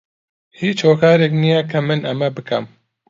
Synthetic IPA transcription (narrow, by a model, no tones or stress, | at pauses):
hiːt͡ʃʰoːkʰɑːɾɛknijɛkʰɐmɨnɐmɛbɨkʰɐ̰m